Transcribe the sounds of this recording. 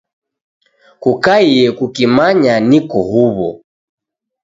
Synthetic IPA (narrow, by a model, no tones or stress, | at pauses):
kukaiɛkukimaɲanikɔhuβɔ̰